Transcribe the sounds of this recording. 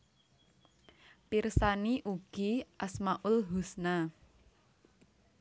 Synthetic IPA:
pirsaniʔuɡ̥i̤ʔasmaʔʊlɦusna

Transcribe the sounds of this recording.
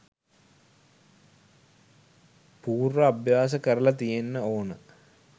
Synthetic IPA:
puːrʋəabjaːs̬əkəɾəlɐt̪ijenːəoːnə

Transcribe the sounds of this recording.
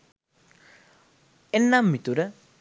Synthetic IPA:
enːamːit̪uɾə

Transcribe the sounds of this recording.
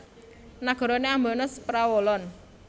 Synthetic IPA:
naɡ̥ɔ̤ɾɔneambɔnəspɾawolɔn

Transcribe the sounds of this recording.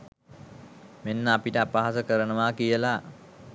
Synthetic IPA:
menːəapiʈəapaɦasəkəɾənəʋaːkijəla

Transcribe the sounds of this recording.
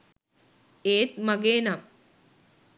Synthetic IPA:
eːt̪mɐɡeːnam

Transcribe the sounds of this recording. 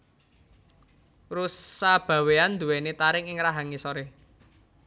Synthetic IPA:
rusab̥a̤weand̪uwenet̪aɾɪŋɪŋɾaɦaŋisoɾeh

